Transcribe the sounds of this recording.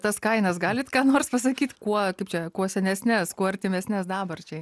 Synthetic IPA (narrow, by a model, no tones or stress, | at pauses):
t̪ɐskɐɪnɐsɡɑːlʲɪt̪kɑːnoːrspɐsɐkʲiːt̪kuɔkɐɪpt͡ʃʲɛkuɔsʲɛnʲɛsʲnʲɛskuɔɐɾʲt̪ʲɪmʲɛsʲnʲɛsd̪ɑːbɐrt͡ʃʲɛ